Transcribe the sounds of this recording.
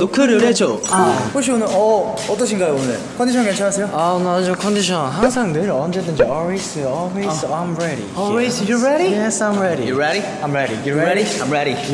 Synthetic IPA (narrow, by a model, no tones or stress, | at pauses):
dokʰɯɾɯet͡ɕokaɸoɕ̬ʰionɯɾʌʌt͈ʌɕʰinɡajoonɯɭkʰʌnd̪iɕʰʌnket͡ɕʰaɾɦas̬ʰejoanad͡ʑokʰʌndiɕʰʌnɦaŋs̬ʰaŋnɯɾiʌnd͡ʑed͈ɯnd͡ʑiʌɭwes͈ɯjoɔlwezajmɹɛɾḭɔwesjoɹɛɾijɛsajmɹɛɾḭjoɹɛɾi | ãjmɾɛɾijoɛɾiãjmɹɛɾi